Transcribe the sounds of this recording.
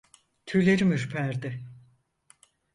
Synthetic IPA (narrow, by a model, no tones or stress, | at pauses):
t̪ʰylʲeɾimiɾpʰæɾd̪ɪ